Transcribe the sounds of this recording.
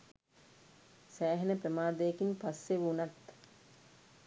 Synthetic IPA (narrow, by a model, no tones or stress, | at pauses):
sæːɦenəprəmaːd̪əjekinpasːeʋunat̪